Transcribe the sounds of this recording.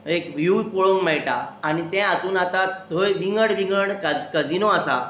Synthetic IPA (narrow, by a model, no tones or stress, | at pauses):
ekʋjupoɭoŋɡmɛɭʈaːɽ̃it̪ɛ̃at̪uːnat̪att̪ʰəjʋiŋɡəɽʋiŋɡəɽkad͡zkəd͡zinoasa̰